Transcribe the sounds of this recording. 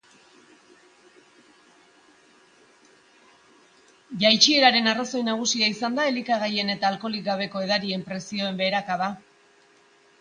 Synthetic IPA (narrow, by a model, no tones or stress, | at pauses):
jajt͡ʃieɾaɾe̞naraso̞jnaɣ̞usiaisand̪ae̞likaɣ̞aje̞ne̞t̪aːlko̞lik̚ɡaβ̞e̞ko̞e̞ðaɾie̞mpɾe̞sio̞e̞mbe̞ːɾakaða